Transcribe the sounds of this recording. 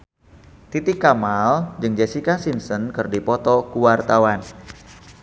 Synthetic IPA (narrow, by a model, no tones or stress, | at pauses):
t̪it̪ɪkːamald͡ʒɨŋd͡ʒesikasinsənkɨrdipɔt̪ɔkuwart̪awan